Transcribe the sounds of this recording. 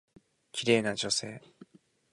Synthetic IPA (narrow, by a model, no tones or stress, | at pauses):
kʲiɾe̞ːnaʑo̞se̞ː